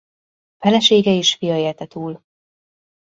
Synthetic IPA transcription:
fɛlɛʃeːɡɛiʃfijɒeːlt̪ɛt̪uːl

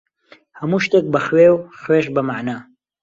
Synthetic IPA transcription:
hɐmuːʃt̪eːk̚bəxweːwxweːʃbəmaʕnaː

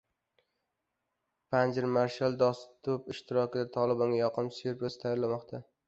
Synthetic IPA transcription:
pʰand͡ʒɪɾmaɾʃalˠd̪ɒst̪ʰːʊpɪʃt̪ʰɪɾɒkʲʰɪd̪at̪ʰɒlˠɪbɒŋʲajɒqʰɨmsʊjɾpɾost̪ʰajɒɾlamɒqt̪ʰa

